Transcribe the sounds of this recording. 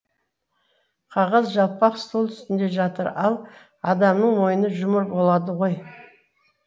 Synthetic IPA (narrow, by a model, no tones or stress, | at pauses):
qʰɑʁəzʒɑlˠpɑqst̪olˠt̪ʰʏ̥st̪ɪnd̪e̞ʒɑt̪əɾɑlˠ | ɑd̪ɑmnəɴmo̞jənəʒʊməɾbo̞lˠɑd̪əʁo̞j